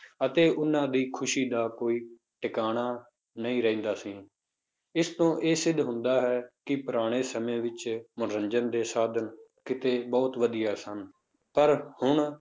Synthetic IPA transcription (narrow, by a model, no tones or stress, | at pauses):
ət̪eːʔʊnãːd̪iːkʰʊʃiːd̪aːkoːiː | ʈɪkaːɽ̃aː | nəĩːɾɛĩːnd̪aːsĩː | ɪst̪õːʔeːsɪd̪ɦʊ̃nd̪aːɦɛːkɪpʊɾaːɽ̃eːsəmẽːʋɪt͡ʃmʊnɾəɲd͡ʒənd̪eːsaːd̪ʱənkɪt̪eːbɔːt̪ʋəd̪ijaːsən | pəɾhʊɳ